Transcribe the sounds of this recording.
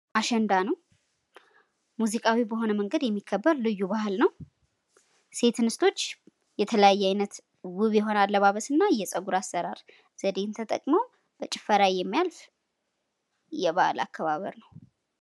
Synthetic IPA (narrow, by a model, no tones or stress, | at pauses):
ʔaʃɛnd̪anəw | muzikʼawibəɦo̞nəməŋɡəd̪jɛmːikʰːəbːəɾlɨjːubahɨlnəw | se̞t̪ʰnɨst̪ʰo̞t͡ʃː | jɛt̪ʰələjajːɛajnət̪ | wɨβjɛɦo̞nalːəβaβəsɨnːajɛsʼəɡuɾasːəɾaɾ | z̥əd̪e̞nt̪ʰət̪ʼə̰kʼməw | b̥ət͡ʃʼɪfəɾajjːɛmːijalf | jɛβala̰kʰːəβaβə̰ɾnəw